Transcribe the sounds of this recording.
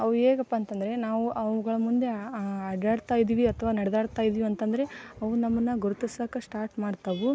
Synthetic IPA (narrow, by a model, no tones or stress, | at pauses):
ɐʋueːɡɐpːaːnt̪ɐnd̪ɐɾe̞naːʋuʔɐʋuɡɐɭɐmund̪e̞ɐɖaːɽt̪aːjid̪iːʋiɐt̪ʰɐʋaːnɐɽɛd̪aːɽt̪aːjid̪iːʋiɐnt̪ɐnd̪ɐɾe̞ɐʋunɐmːɐnːɐɡuɾut̪isakɐsʈaːɾʈmaːɖt̪ɐʋu